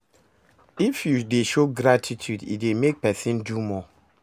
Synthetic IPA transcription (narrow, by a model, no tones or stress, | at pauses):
ifjudeʃoɡɾatʰitʰudḭdemek̚pɛsĩndumɔ